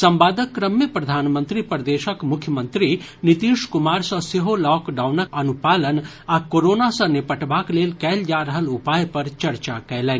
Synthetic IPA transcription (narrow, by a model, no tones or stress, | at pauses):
sɐ̃mbaːd̪əkːɾəmjəpɾɐd̪ʱaːnmə̃nt̪ɾipɾd̪eːʃəkmʊkʰjəmənt̪ɾi | nit̪iːʃkʊmaːɾsɐ̃seɦolɔːkɖaːwnəkɐnupaːlən | akoːɾoːnasɐ̃nepɐʈbaːkleːlkɛːld͡ʒaːɾəɦəlʊpaːjpɐɾt͡ʃɐɾt͡ʃakɛjlɛːn